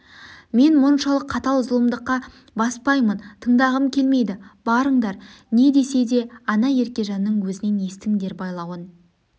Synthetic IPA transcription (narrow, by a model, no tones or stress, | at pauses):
me̞nmʊnʃɑlˠəqʰːɑt̪ɑlˠʊzəlˠəmd̪əqːɑ | bɑspɑjmənt̪ʰəɴd̪ɑʁəmkʲʰe̞lme̞jd̪ɪb̥ɑɾəɴd̪ɑɾ | ne̞d̪e̞se̞d̪e̞ɑnɑje̞ɾkʲe̞ʒɑnːəɴwɵzɪne̞nest̪ɪŋd̪e̞ɾbɑjlˠɑwən